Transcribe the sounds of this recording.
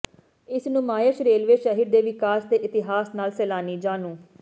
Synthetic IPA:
ɪsnũːmaːjəʃɾeːlʋeːʃəɦiɾd̪eːʋɪkaːsd̪eːʔɪt̪ɪɦaːsnaːlsɛːlaːniːd͡ʒaːnũː

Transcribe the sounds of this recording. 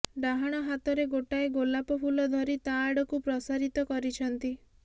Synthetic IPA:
ɖaɦaɽ̃ɔɦat̪ɔɾeɡoʈaeɡolapɔpʰulɔd̪ʱɔɾit̪aːɽɔkupɾɔsaɾit̪ɔkɔɾit͡ʃʰɔnt̪i

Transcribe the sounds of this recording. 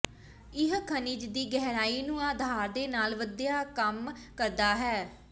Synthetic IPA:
ɪɦkʰəniːd͡ʒd̪iːɡɛɦɾaːiːnũːaːd̪ʱaːɾd̪eːnaːlʋəd̪jaːkəmkəɾd̪aːɦɛː

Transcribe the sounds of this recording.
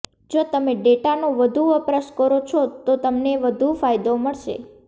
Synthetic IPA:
d͡ʒot̪əmeɖeʈanũʋəd̪ʱuəpɾəʃkəɾot͡ʃʰot̪ot̪əmneʋəd̪ʱufajd̪oməɭʃḛ

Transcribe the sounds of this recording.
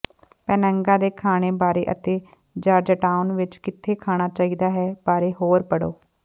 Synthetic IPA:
pɛːnə̃ŋɡãːd̪eːkʰaːɽ̃eːbaːɾeːʔət̪eː | d͡ʒaːɾd͡ʒəʈaːʊnʋɪt͡ʃkɪt̪ʰːeːkʰaːɽ̃aːt͡ʃaːiːd̪aːɦɛːbaːɾeːɦoːɾpəɽoː

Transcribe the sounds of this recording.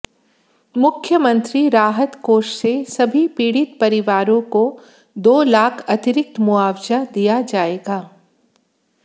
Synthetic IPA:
mʊkʰjəmə̃nt̪ɾiɾaːɦət̪koːʃsesɐbʱipiːɽɪt̪pɐɾɪʋaːɾõko | d̪oːlaːkʰɐt̪ɪɾɪk̚t̪mʊaːʋd͡ʒad̪ijad͡ʒaːeːɡaː

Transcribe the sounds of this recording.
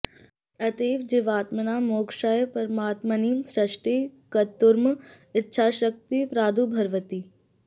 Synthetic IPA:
ɐt̪eːʋd͡ʒɪʋaːt̪mɐnaːmoːkʃajpɐɾmaːt̪mɐniːmsɾɐʃʈeːkɐt̪ːʊɾm | ɪtːʃʰaːʃək̚t̪ipɾaːd̪ʱuːbʱɐɾʋət̪iː

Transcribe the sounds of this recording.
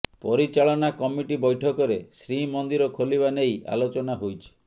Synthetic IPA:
pɔɾit͡ʃaɭɔnakɔmiʈibɔjʈʰɔkɔɾesɾimɔnd̪iɾɔkʰolibaneja̰lot͡ʃɔnaɦojt͡ʃʰi̥

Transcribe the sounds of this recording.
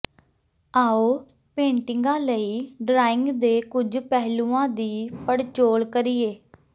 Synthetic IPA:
aːoː | pẽːɳʈɪŋɡãːləiːɖɾaːɪŋɡd̪eːkʊd͡ʒpɛɦlũːãːd̪iːpəɽt͡ʃoːlkəɾiːeː

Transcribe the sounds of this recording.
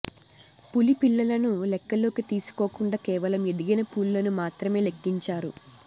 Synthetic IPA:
pulipilːɐlɐnulɛkːɐlo̞ːkit̪iːsu̥koːkuɳɖaːkɛːʋɐlɐmed̪iɡɐnɐpuːllɐnumaːt̪ɾɐme̞ːle̞kːiɲt͡ʃaːɾṵ

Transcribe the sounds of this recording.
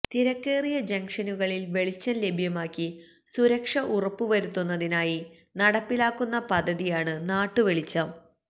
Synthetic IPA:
t̪iɾɐkːe̞ːrijɐd͡ʑɐŋkʂɐnuɣɐɭilʋe̞ɭit͡ɕːɐnle̞bʱjɐmaːkːi | suɾɐkʂɐʔurɐpːuʋɐɾut̪ːunːɐðinaːji | nɐɽɐpːilaːkːunːɐpɐd̪ʱːɐðijaːɳɨnaːʈːɨʋeɭit͡ɕːɐm

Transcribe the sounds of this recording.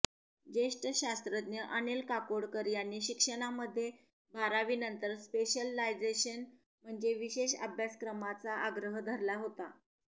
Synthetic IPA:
d͡ʑeʂʈəɕast̪ɾəd̪njəʔənelkakoɽkəɾjanːiːɕikʂəɽ̃aməd̪ʱːje | bʱaɾaʋiːnənt̪əɾspeɕəlːajd͡zeɕən | m̤əɳd͡zeʋiɕeɕə̰bʱjaskɾəmat͡saaɡɾəɦəd̪ʱəɾlaɦot̪a

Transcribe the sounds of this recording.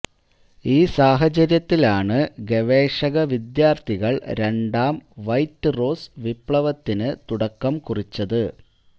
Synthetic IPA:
iːsaːɦɐt͡ɕɐɾjɐt̪ːilaːɳɨɡe̞ʋeːʂɐɣɐʋid̪jaːrt̪ʰiɣɐɭɾe̞ɳɖaːmʋɐjtːɨro̞ːsʋipɭɐʋɐt̪ːinɨt̪uɽɐkːɐmkurit͡ɕːɐðɨ

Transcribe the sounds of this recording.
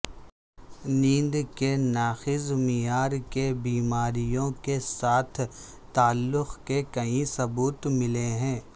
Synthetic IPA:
nĩːnd̪kenaːxɪzmijaːɾkebiːmaːɾijõkesaːt̪ʰ | t̪ːaːlːʊxkekɐĩsɐbuːt̪mɪleɦɛ̃ː

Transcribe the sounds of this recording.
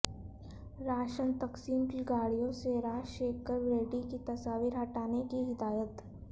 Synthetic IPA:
ɾaːʃənt̪ɐksiːmkiɡaːɽijõseɾaːʃeːkːəɾʋɾeːʈikit̪ɐsaːʋɪɾɦɐʈaːnekiɦɪd̪aːjət̪

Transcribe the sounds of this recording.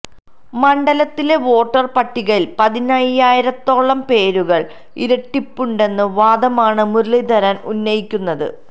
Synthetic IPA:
mɐɳɖɐlɐt̪ːile̞ʋo̞ːʈːɐrpɐʈːiɣɐɭilpɐðinaːjijaːjiɾɐt̪ːo̞ːɭːɐmpe̞ːɾuɣɐɭ | iɾɐʈːipːuɳɖe̞nːɨʋaːd̪ɐmaːɳɨmurɭid̪ʱɐɾɐnunːɐjikʲːunːɐðɨ̰

